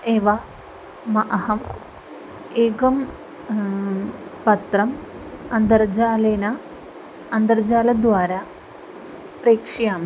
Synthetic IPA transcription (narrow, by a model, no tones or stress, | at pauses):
eʋɐ | mɐʔɐɦɐm | eːɡɐm | pɐt̪rɐmɐnd̪ɐrd͡ʑaːleːnɐ | ɐnd̪ɐrd͡ʑaːlɐd̪ʋaːɾɐ | preːkʂɐjaːm